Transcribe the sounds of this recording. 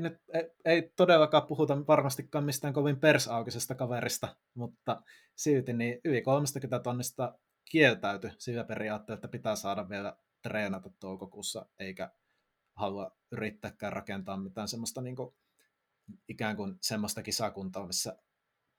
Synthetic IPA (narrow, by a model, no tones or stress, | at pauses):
nyt̪eeˑit̪odelːɑkɑːppuhut̪ɑʋɑrmɑst̪ikːɑːmmist̪æːŋkoʋimpersɑˑukisest̪ɑkɑʋerist̪ɑ | mut̪ːɑ | silt̪iniːʔyʋikolmest̪ɑkyt̪æt̪onːist̪ɑ | kielt̪æyt̪ysilːæperiɑːt̪ːeːlːˑet̪ːæpit̪æːsɑːdɑʋʋielæ | t̪reːnɑt̪ɑt̪t̪oˑukokuːsːɑ̰ʔeˑikæ | hɑluɑ | yrit̪ːæːkːæːrrɑkent̪ɑːmmit̪æːnsemːost̪ɑniːŋku | ikæˑŋkunsemːost̪ɑkisɑkunt̪oːmisːæ